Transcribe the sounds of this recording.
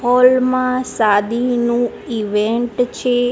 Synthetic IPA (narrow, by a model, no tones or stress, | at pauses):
ɔlmãsad̪inũ | iʋeɳʈt͡ʃʰe